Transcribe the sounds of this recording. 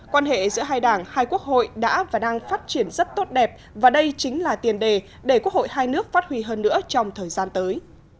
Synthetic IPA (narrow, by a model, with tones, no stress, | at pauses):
kwaː˧nɦḛ˧˨zɨ̰˧˥əɦaː˧jɗaː˧˩ŋhaː˧jku˦˥ək̚ho̰˧˨jɗa̰ː˧˥vaː˨˩ɗaː˧ŋfaː˦˥t̚t͡ɕi˧˩ənzə˦˥t̚t̪o˦˥t̚ɗɛ˨˩p̚ | vaː˨˩ɗə˧jt͡ɕï˨˦ŋ̟laː˨˩t̪i˨˩ənɗe˨˩ | ɗe˧˩ku˦˥ək̚ho̰˧˨jhaː˧jnɨ˦˥ək̚faː˦˥t̚hwi˧ɦəː˧nːɨ̰˧˥ət͡ɕɔ˧wŋ͡mt̪ʰəː˨˩jzaː˧nt̪əː˨˦j